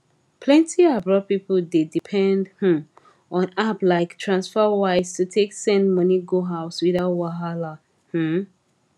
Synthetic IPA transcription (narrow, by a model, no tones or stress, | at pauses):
pʰlɛ̃ntiabɹɔpipəldedipʰɛ̃ndh̩ | ɔ̃naplaɪktʰɹãnsfəwaɪstʰutʰeksɛ̃ndmʌniɡoɦaʊswiðaʊtwaɦala | hm̩